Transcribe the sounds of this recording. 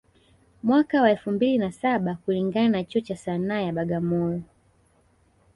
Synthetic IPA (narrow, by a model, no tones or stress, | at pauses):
mwakawaɛlfumbilinasaɓakuliŋɡananat͡ʃuːt͡ʃasanaːjaɓaɠamɔɾɔ